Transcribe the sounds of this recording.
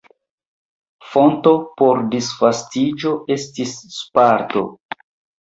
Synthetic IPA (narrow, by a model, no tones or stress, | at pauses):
fo̞nto̞po̞ɾdisfastid͡ʒo̞e̞stisːpaɾto̞̰